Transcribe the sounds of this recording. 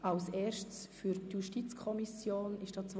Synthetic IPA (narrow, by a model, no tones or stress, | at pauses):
alsɛːrʃtt͡sfyɾtjuʃtit͡skʰɔmisjoːnɪʃd̥ɑːt͡s